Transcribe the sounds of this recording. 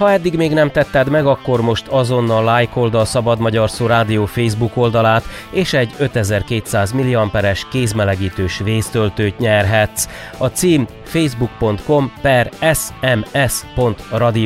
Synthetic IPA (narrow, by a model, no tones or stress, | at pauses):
hɒɛd̪ːiɡmeːɡnɛmt̪ɛt̪ːɛd̪mɛɡɒkːo̞rmo̞ʃt̪ɒzo̞nːɒlːaːjko̞ld̪ɒlsɒbɒd̪mɒɟɒrsoːɾaːd̪ijoːfeːjzbuko̞ld̪ɒlaːt̪ | eːʃɛɟːø̞t̪ɛzɛrkeːt̪saːzmiliɒmpɛɾɛʃkeːzmɛlɛɡiːt̪øːʃʋeːst̪ølt̪øːt̪ɲɛrɦɛt̪s | ɒt̪siːm | fejzbuk̚po̞nt̪ko̞mpɛrɛsɛmɛspo̞nt̪rɒd̪i